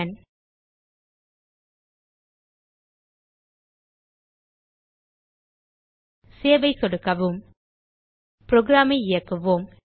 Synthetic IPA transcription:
n | seːʋɐɪsɔɽɯkːɐʋɯm | pɾɔɡɾaːmɐɪɪjɐkːɯʋoːm

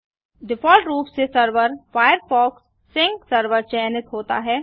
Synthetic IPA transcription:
ɖɪfɔːlʈɾuːpsesɐɾʋəɾfaːjəɾfɔːksː | ɪ̃ŋɡsɐɾʋəɾt͡ʃɛːnɪt̪ɦoːt̪a̰ɦɛː

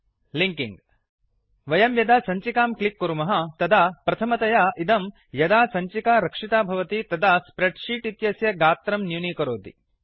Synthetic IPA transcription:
liŋkiŋɡ | ʋɐjɐmjɐd̪aːsɐɲt͡ʃikaːmklikːuɾumɐɦɐt̪ɐd̪ʱaːpɾɐt̪ʰɐmɐt̪ɐjaːʔid̪ɐm | jɐd̪aːsɐɲt͡ʃikaːɾɐkʂit̪aːbʱɐʋɐt̪it̪ɐd̪aːspɾeɖʂiːʈit̪jɐsjɐɡaːt̪ɾɐmnjuniːkɐɾoːd̪ḭ

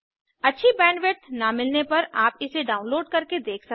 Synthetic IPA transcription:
ɐtːʃʰibɛ̃ːɳɖʋet̪namɪlnepɐɾaːpɪseɖaːʊ̃nloːɖkɐɾked̪eːkʰsɐ

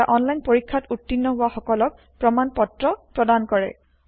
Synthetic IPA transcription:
aʔɔnlajnpoɹikʰːatutːinːɔɦʊwaxɔkɔlɔk̚ | pɹɔmanpɔtɹɔpɹɔdankɔɹɛ̰

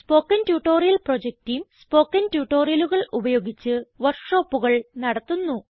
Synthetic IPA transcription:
spo̞ːkːɐntjuːʈːoːrijɐlpro̞d͡ʑek̚tijmspo̞ːkːɐntjuːʈːo̞ːrijɐluɣɐɭubɐjo̞ːɡit͡ɕːɨʋɐrkʂo̞ːpːuɣɐɭnɐɽɐt̪ːunːu

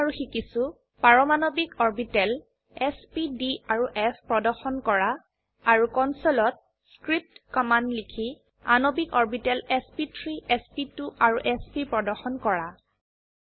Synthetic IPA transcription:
aɹuxikisu | paɹɔmanobikɔɹbitɛl | ɛspidiaɹuʔɛpʰpɹɔdɔɹxɔnkɔɹaː | ɹukɔnsolɔt̚ | skɹip̚tkɔmanlikʰi | anobikɔɹbitɛlɛspitʰɹiɛspituʔaɹuʔɛspipɹɔdɔɹxɔnkɔɹa

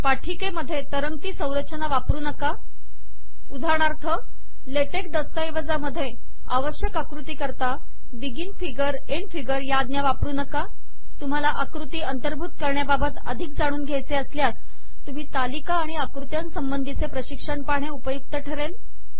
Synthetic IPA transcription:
paʈʰikeməd̪ʱːjet̪əɾəŋɡ̚t̪iːsə̃w̃ɾət͡ɕənaʋapɾuːnəka | ud̪ʱaɳ̃aɾt̪ʰə | leʈekd̪əst̪ajʋəd͡zaməd̪ʱːje | aʋəɕjəkəkɾut̪iːkəɾt̪a | ʋiɡiːnfiɡəɾ | eɳfiɡəɾjad̪njaʋapɾuːnəka | t̪um̤alaʔəkɾut̪iːənt̪əɾbʱuːt̪kəɾɳjababət̪əd̪ʱik̚d͡zaɽ̃uːnɡʱjajt͡seəsljas | t̪um̤iːt̪alikaːɽ̃iəkɾut̪jãnsəmbənd̪ʱit͡sepɾəɕikʂəɳpaɳ̃eupəjuk̚t̪əʈʰəɾel

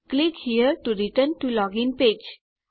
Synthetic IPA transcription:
klikhiəɾʈuɾiʈəɾnʈulɔɡɪ̃npeːd͡ʒ

